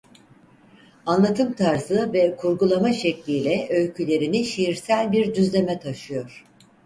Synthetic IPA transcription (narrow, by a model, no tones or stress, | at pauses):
anlˠat̪ʰɯmt̪ʰaɾzɯvɛkʰuɾɡulˠamaʃɛclʲiːlʲɛʔø̞lʲcʰylʲe̞ɾiniʃijiɾsælʲbiɾd̪yzlʲe̞mɛt̪ʰaʃɯjo̞ɾ̥